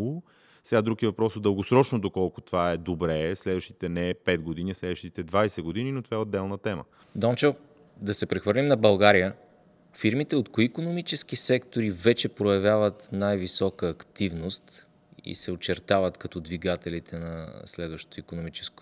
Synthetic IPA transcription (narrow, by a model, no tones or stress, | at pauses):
sɛɡad̪ɾukivɐpɾɔsod̪əlˠɡosɾɔt͡ʃnod̪okɔlˠkʊ̥t̪ovaɛd̪obɾɛslɛd̪vəʃt̪i̥t̪ɛnɛpɛt̪ɡoʊd̪inislɛd̪vəʃt̪it̪ɛd̪vajsɛɡod̪ininot̪ovaɛod̪ːɛlˠnət̪ɛmə̰ | d̪ɔnt͡ʃɛ | d̪ɐsɛpɾɛxvəɾlʲimnɐbɐlˠɡaɾijə | fiɾmit̪ɛot̪koiːkonomit͡ʃɛsk̟isɛkt̪oɾivɛt͡ʃɛpɾojɐvʲjavət̪najvisɔkəːkt̪ivnost̪ | ḭsɛot͡ʃɛɾt̪avət̪kɐt̪ɔd̪viɡat̪ɛlit̪ʰɛnɐ̰slɛd̪vəʃt̪o̥t̪oikonomit͡ʃɛ̥sko̥